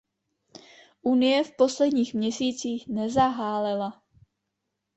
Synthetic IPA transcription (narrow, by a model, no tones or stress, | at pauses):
ʔunɪjɛfpo̞slɛdɲiːxmɲɛsiːt͡siːxnɛzaɦaːlɛla